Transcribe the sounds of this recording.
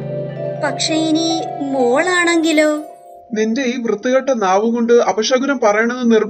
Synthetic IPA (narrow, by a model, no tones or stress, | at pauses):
pɐkʂɐjinimoːɭaːɳeŋɡiloː | ninde̞iːʋrɨt̪ːiɣɐʈːɐnaːʋuɣo̞ɳɖɨɐbɐɕɐɣɐɾɐmpɐrɐjɐɳenːɨnirm